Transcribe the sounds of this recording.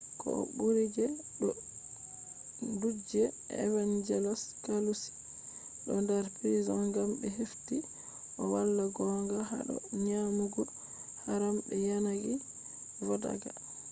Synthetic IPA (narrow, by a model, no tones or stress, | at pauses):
kɔ̰ɔ̰ɓuɾid͡ʒɛɗɔ | dud͡ʒɛ | ɛ̰vand͡ʒɛlɔskalus | ɗɔndaɾpɾizɔŋɡambɛɦefti | ʔɔwalːaɡɔŋɡaha̰ɗɔ̰ɲamuɡɔ | haɾambɛjanaɡi | vɔda̰ɡa